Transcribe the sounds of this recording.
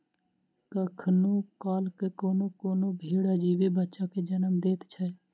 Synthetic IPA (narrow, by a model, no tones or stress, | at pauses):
kəkʰnoːkaːlkekoːnokoːnobʱeːɽad͡ʒiːʋebətːʃaked͡ʒənəmd̪eːt̪t͡ʃʰə